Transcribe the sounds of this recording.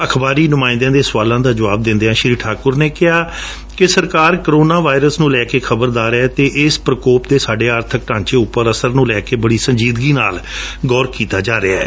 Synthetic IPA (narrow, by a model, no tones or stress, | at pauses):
əkʰbaːɾiːnʊmãːɪ̃nd̪jãːd̪eːsʋaːlãːd̪aːd͡ʒəʋaːb̚d̪ɪ̃nd̪eːɦãːʃɾiːʈʰaːkʊɾneːkɪɦaː | kɪsəɾkaːɾkəɾoːnaːʋaːɪɾəsnũːlɛːkeːkʰəbəɾd̪aːɾɛːt̪eːʔɪspɾəkoːpd̪eːsaːɖeːaːɾt̪ʰək̚ʈãːɲt͡ʃeːʊpːəɾəsəɾnũːlɛːkeːbəɽiːsə̃ɲd͡ʒiːd̪ɡiːnaːlɡɔːɾkiːt̪aːd͡ʒaːɾɪaɛː